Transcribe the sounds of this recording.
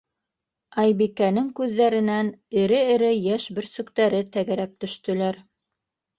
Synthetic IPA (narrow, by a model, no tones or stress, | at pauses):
ɑjbikænɘŋkʉðːæɾɘ̆nænɘ̆ɾɘɘ̆ɾɘjæʃbɘ̆ɾsɵ̆kt̪æɾɘt̪æɡæɾæp̚t̪ɵ̆ʃt̪ɵ̆læɾ